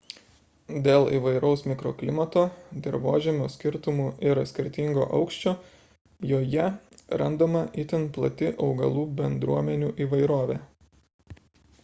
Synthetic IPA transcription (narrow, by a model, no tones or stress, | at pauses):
d̪ʲeːlˠḭːʋɐɪɾɐʊsmʲɪkɾo̰ːklʲɪmɐt̪oːd̪ʲɪɾʋoːʒʲɛmʲoːsʲkʲɪɾt̪ʊmuːɪɾɐsʲkʲɪɾʲt̪ʲɪŋɡo̰ːʔɐʊkʃʲt͡ʃʲoː | joːjɛɾɐnd̪omɐʔit̪ʲɪnplˠɐ̰t̪ʲɪʔɒʊɡɐlˠuːbʲɛnd̪ɾuɔmʲɛnʲuːʔiːʋɐɪɾoːʋʲeː